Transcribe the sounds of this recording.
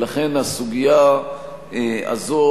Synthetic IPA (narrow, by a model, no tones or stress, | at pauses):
laχe̞nasuɡija | ea̰zo